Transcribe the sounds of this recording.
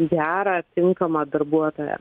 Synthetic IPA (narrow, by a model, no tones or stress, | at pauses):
ɡʲæːɾɐt̪ʲɪŋkɐmɐd̪ɐɾbuɔt̪oːjɛ̰